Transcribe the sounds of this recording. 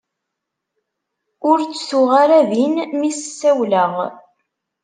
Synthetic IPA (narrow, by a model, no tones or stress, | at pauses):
ʊɾt͡sːθʊʁaɾæðinmissːæwləʁ